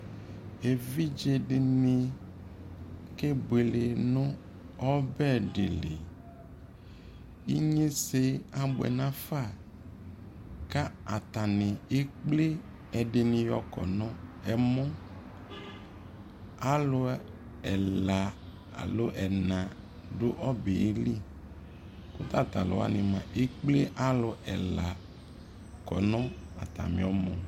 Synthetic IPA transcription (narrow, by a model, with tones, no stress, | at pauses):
e˨vi˦d͡ʒe˨ɖe˨nĩ˦ | ke˦be˨le˨nɔ̃˦ | ɔ˦bɛ˦ɖḛ˨lḛ˨ | i˦ɲẽ˦se˦a˦bɛ̰˨nã˦fa˦˨ | ka˦a˨t̪a˨nẽ˨e˦k͡ple˦ | ɛ˨ɖe˨nĩ˨jɔ̰˨kɔ̰˨nɔ̃˦ɛ˨mɔ̃˦ | a˦lo˨˦ | ɛ˨la˨ | a̰˨lo˦ʔɛ˨nã˨ | ɖo˦ʔɔ˦be˨e˦li˦ | ko˦t̪a˦t̪a˨lo̰˨wa̰˦nẽ˨mã˨ʔe˦k͡ple˦ʔa˦lʊ˨ʔɛ̰˨la˨ | kɔ˨nɔ̃˦a̰˨t̪a̰˨mḭ̃˨ɔ˦mɔ̃˨